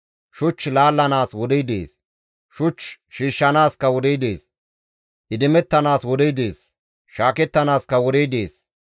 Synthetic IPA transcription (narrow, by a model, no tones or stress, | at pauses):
ʃʊt͡ʃːlaːlːɐnaːswɔd̪ijd̪ḛːs | ʃʊt͡ʃː | ʃiːʃːɐnaːskɐwɔd̪ijd̪eːs | ʔɪd̪ɪmɛt̪ːɐnaːswɔd̪ijd̪eːs | ʃaːkɛt̪ːɐnaːskɐwɔd̪ijd̪eːs